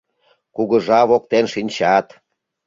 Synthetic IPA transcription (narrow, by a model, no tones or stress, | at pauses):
kuɣəʒɑβokt̪enʃinʲt͡ɕɑt̪